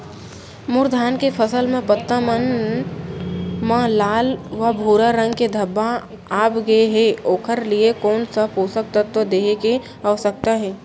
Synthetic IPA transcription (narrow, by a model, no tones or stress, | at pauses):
mʊɾd̪ʱaːnkepʰəsəlmẽpət̪ːamən | mãlaːlʋabʱuːɾaɾə̃ŋɡked̪ʱɐbːa | aːpɡɐeɦɛoːkʰəɾliekɔːnsəbɦoːsək̚t̪at̪od̪eːeke | aːsək̚t̪aɦɛː